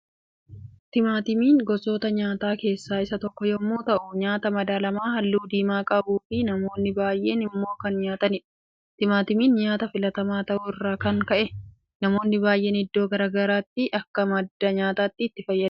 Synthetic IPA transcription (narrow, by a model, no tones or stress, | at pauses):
t̪ɪmaːt̪ɪmiːŋɡɔso̞ːt̪ɐɲaːt̪aːke̞ːsːaːɪsɐt̪ɔkːɔjɔmːuːt̪ɐʔʊɲaːt̪ɐmɐd̪aːlɐmaːɦɐlːuːd̪iːmaːkʼɐbuːfɪnɐmo̞ːnːɪbaːjʔe̞̰ːnɪmːo̞ːkɐnɲaːt̪ɐnɪ | t̪ɪmaːt̪ɪmiːnɲaːt̪ɐfɪlɐt̪ɐmaːt̪ɐʔuːɪrːaːkɐŋkɐʔɛ | nɐmo̞ːnːɪbaːjʔe̞ːnɪd̪ːoːɡɐɾaːɡɐɾaːt̪ːɪʔɐkːɐmɐd̪ːɐɲaːt̪aːt̪ːɪːt̪ːɪfɐjːɐ